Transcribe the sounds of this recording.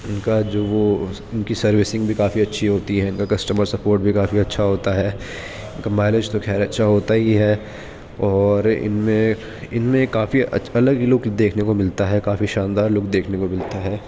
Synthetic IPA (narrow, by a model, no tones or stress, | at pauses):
ɪnkad͡ʒoːʋo | ɪnkisɐɾʋɪsɪ̃ŋɡbʱikaːfiɐtːʃʰiɦoːt̪iɦɛɪnkakɐsʈəməɾsɐpoːɾʈ̚bʱikaːfiɐtːʃʰaɦoːt̪aɦɛː | ɪnkamɛːled͡ʒt̪oxʰɛːɾɐtːʃʰaɦoːt̪aɦiɦɛː | ɔːɾɪ̰nmẽ | ɪnmẽkaːfḭɐləɡilʊɡd̪eːkʰnekomɪlt̪aɦɛkaːfiʃãːnd̪aːɾlʊkd̪eːkʰnekomɪlt̪aɦɛː